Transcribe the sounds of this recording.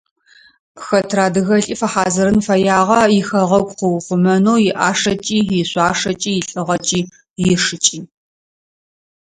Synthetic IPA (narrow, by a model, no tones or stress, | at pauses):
pxɐtʰraːdɨɣɐɬʼiːfɐħaːzɐɾɨnfɐjaːʁɐjɪxɐʁɐɡʷqʷʊwχʷʊmɐnuːjɪʔaːʂɐt͡ʃʼiːjɪɕʷʼaːʂɐt͡ʃʼiːjɪɬʼɨʁɐt͡ʃʼiː | jɪʂɨt͡ʃʼiː